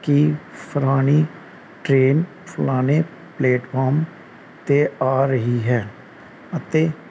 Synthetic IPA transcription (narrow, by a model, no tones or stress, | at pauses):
kiːpʰəɾaːniː | ʈɾeːn | pʰʊlaːne | pleːʈpʰaːɾm | t̪eaːɾəɦiɦɛː | ət̪eː